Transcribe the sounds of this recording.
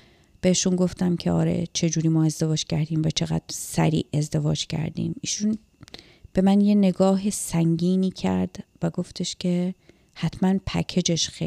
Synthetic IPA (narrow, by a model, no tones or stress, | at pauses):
b̥e̞eʃunɡo̞ft̪æmcʰe̞ɒ̰ːɾe̞̰t͡ʃʰe̞d͡ʒuːɾiːmɒːe̞zd̪e̞vɒːd͡ʒcʰæɾd̪iːmvæt͡ʃʰe̞ɣæ̰d̪̥ɾsæ̰ɾḭːʔe̞zd̪e̞vɒːd͡ʒcʰæ̰ɾd̪ḭːmiːʃun | b̥e̞mænje̞ne̞ɡɒːɦesæŋɟiːniːcʰæ̰ɾd̪̥væɡo̞ft̪ʰe̞ʃcʰe̞ | hæt̪ʰmænpʰæ̰kʰe̞d͡ʒe̞ʃxe